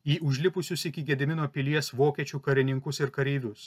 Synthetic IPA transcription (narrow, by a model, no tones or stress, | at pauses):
iːʔʊʒʲlʲɪpʊsʲʊsɪkʲɪɡʲɛd̪ʲɪmʲɪnoːpʲɪlʲiɛsʋoːkʲɛt͡ʃʲuːkɐɾʲɪnʲɪŋkʊsɪɾkɐɾʲɛːʋʲʊs